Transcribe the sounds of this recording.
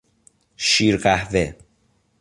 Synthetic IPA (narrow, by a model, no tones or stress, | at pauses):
ʃiːɾɢæhve